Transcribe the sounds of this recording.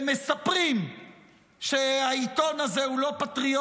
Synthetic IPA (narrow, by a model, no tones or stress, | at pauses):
me̞sapʁim | ʃeait̪o̞nazehulo̞pat̪ʁio